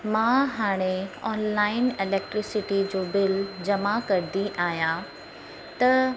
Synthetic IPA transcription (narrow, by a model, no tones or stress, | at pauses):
mãːɦaːɽ̃eɔːnlaːɪnɪlɛːk̚ʈɾɪsɪʈid͡ʑoːbɪld͡ʑɐmakɐɾd̪iʔaːɦijã | t̪ɐ